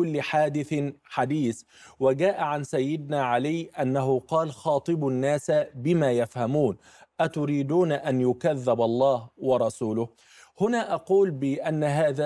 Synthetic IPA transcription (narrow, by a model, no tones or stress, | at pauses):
ʊlːɪħaːd̪ɪθħad̪iːθ | wad͡ʒaːʔaʕansajːɪd̪̚naːʕalɪjʔanːaɦʊqɑːlxɑːt̪ˤɨbnːaːsbɪmaːjafhamuːn | ʔat̪ʊɾiːd̪uːnʔanjʊkaðːɪbɑlˤːɑːhwɑɾˤɑsuːlʊh | hʊnaːʔɑquːlbɪʔanːaɦaːðaː